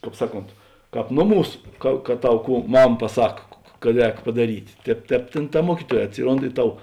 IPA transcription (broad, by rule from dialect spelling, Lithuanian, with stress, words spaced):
ˈkɑːp ˈsɑːˌkoːnt ˈkɑːp ˈnoːˌmuːs ˈkɐ kɐ ˈtɐʊ ˈkuː ˈmɐm pɐˈsɐk kɐt ˈrʲɛːk pɐdɐˈrʲiːtʲ ˈtʲɛːp ˈtʲɛːp ˈtʲeːn tɐ ˈmuɔkʲiːˌtuɔj ɐtʲˈsʲɪˌroːnt ɪ ˈtɐʊ